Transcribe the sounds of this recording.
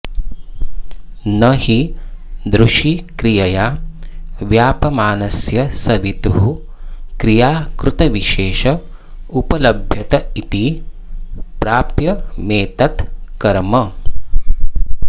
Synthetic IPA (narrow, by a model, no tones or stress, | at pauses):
nɐhid̪ɾuʃikɾijɐjaː | ʋjaːpɐmaːnɐsjɐsɐʋit̪uɦu | kɾijaːkɾut̪ɐʋiʃeːʃɐ | upɐlɐbʱjɐt̪ɐit̪i | pɾaːpjɐmeːt̪ɐt̪kɐɾmɐ